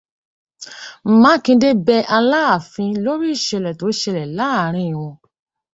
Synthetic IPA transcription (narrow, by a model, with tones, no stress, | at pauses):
m̩˨mã˨˦kĩ˧de˦bɛ˧ʔa˧la˦a˨fĩ˧lo˦ɾi˦i˦˨ʃɛ˧lɛ˨to˨˦i˦ʃɛ˧lɛ˨la˨˦˨ɾ̃ĩ˧˨w̃ɔ̃˧